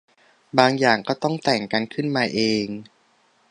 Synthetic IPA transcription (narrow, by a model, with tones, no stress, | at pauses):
baː˧ŋjaː˨˩ŋkɔː˥˩t̪ɔ˥˩ŋt̪ɛː˨˩ŋka˧nkʰɯ˥˩nmaː˧ʔeː˧ŋ